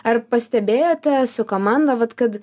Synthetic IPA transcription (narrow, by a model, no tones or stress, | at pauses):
ɐrpɐsʲt̪ʲɛbʲeːjoːt̪ʲɛsʊkoːmɑnd̪ɐʋɐt̪kɐt̪